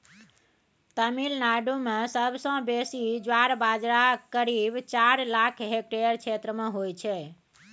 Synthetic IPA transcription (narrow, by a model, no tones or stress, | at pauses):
t̪əmilnaɖumesəbsə̃besid͡ʒwaɾbad͡ʒɾakəɾibt͡ʃaɾlakʰɦek̚ʈeəɾkt͡ʃʰet̪ɾəmeɦojt͡ʃʰɛ